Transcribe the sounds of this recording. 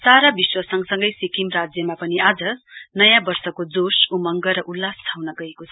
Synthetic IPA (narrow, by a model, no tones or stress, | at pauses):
saɾabiswʌsʌŋsʌŋɡʌjsikimrad͡zjʌmapʌniad͡zʌnʌjãbʌrsʌkod͡zosumʌŋɡʌɾʌʔulːast͡sʰawnʌɡʌekot͡sʰʌ